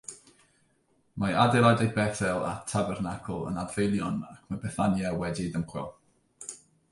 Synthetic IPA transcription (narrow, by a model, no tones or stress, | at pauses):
maadɛladajd̚bɛθɛlˠa̰tʰabɛrnakʰɔlˠə̰nadvejlˠjɔnakʰmabɛθanjawɛdidəmχwɛ̰lˠ